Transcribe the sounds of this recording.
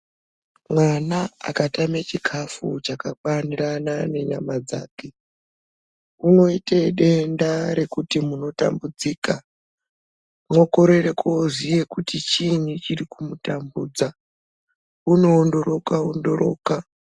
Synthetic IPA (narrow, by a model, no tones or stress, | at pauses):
mwanaa̰katamet͡ʃikʰafut͡ʃakakaniranane̞ɲamad͡za̰ːke̞ | uno̞ite̞ɗe̞ndaɾe̞kutimuno̞ta̰mbud͡ziːka | mwo̞ko̞ɾe̞re̞kʰozije̞kutit͡ʃinit͡ʃirikumutambuːd͡za | uno̞ːndo̞ɾo̞kaondo̞ro̞ːka